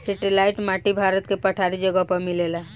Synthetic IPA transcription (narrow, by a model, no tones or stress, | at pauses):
sɛʈilaɪʈmaʈibʱaːɾət̪kepəʈʰaɾid͡ʒəɡəpəmilela